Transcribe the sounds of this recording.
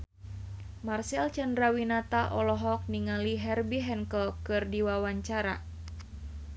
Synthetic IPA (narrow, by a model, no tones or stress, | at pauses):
marsɛlt͡ʃandɾawinat̪aʔɔlɔɦɔk̚niŋaliɦɛrbiɦɛnkɔlkɨrdiwawaɲt͡ʃaɾa̰